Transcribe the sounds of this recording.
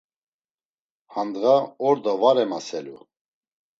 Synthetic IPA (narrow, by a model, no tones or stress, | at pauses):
hand̪ɣaɔɾd̪avaɾɛmasɛlu